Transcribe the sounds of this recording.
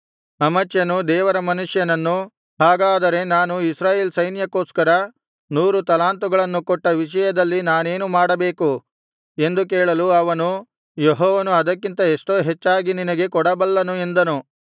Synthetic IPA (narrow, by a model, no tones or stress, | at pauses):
ɐmɐt͡ʃjɐnud̪ɛːʋɐɾɐmɐnuʂjɐnɐnːu | ɦaːɡaːd̪ɐɾe̞naːnuisɾaːje̞ːlsɐjnjɐkoːskɐɾɐ | nuːɾut̪ɐlaːnt̪uɡɐɭɐnːukɔʈːɐʋiʂɐjɐd̪ɐlːinaːne̞ːnumaːɽɐbe̞ːku | e̞nd̪uk̬eːɭɐluɐʋɐnu | jeɦɔːʋɐnuɐd̪ɐkːint̪ɐeʂʈo̞ːɦet͡ʃːaːɡininɐɡe̞kɔɽɐbɐlːɐnue̞nd̪ɐnu